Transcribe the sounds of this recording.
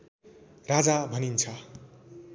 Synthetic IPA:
rad͡zabʱʌnint͡sʰʌ

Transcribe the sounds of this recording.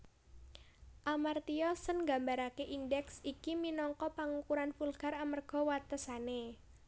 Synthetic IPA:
ʔamart̪iɔsənŋɡa̤mbaɾakeʔindɛksikiminɔŋkɔpaŋukuɾanfulɡ̥a̤ɾamərɡ̥ɔ̤wat̪əsane

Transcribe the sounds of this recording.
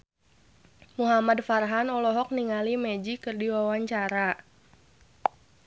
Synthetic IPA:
muɦamadfarɦanɔlɔɦɔk̚niŋalimɛd͡ʒikɨrdiwawaɲt͡ʃaɾa

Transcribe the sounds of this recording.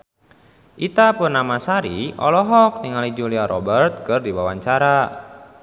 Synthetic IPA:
ʔit̪apʊnːamasaɾiɔ̰lɔɦɔk̚niŋalid͡ʒuliaɾʔɔbərt̪̚kɨrdiwawaɲt͡ʃaɾa

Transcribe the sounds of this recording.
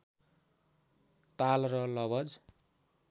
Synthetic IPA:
t̪alrʌlʌβʌd͡z

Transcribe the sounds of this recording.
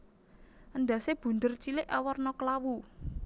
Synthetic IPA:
ʔənd̪ä̤seb̥ṳnd̪ərt͡ʃilɪʔawɔrnɔkəlawu

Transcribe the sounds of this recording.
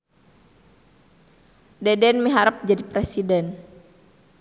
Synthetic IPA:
dɛdɛnməɦaɾəp̚d͡ʒadipɾɛsidɛn

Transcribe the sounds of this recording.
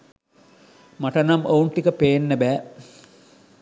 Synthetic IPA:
mɐʈɐnɐmouɳʈikəpejenːəbæː

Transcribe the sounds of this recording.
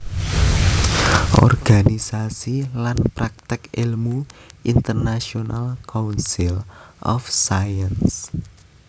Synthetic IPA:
ʔɔ̰rɡ̥anisasilanpɾak̚t̪ɪkilmuʔint̪ərnasionalkaunsilʔɔfsajəns

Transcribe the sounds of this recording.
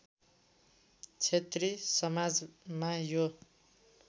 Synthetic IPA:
t͡sʰet̪risʌmad͡zmajo

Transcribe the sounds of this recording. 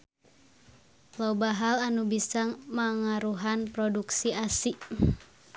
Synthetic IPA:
lɔbaɦalanubisaŋmaŋaɾuɦanpɾɔduksiasiʔ

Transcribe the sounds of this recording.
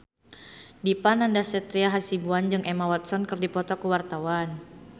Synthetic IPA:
dipanandasɛt̪ɾiaɦasibuand͡ʒɨŋʔɛmawat̪̚sɔnkɨrdipɔt̪ɔkəwart̪awan

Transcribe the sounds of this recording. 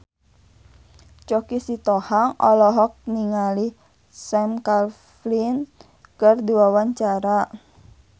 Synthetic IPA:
t͡ʃɔkisit̪ɔhaŋʔɔ̰lɔɦɔk̚niŋali | sɛmkal | flin | kərdiwawaɲt͡ʃaɾa

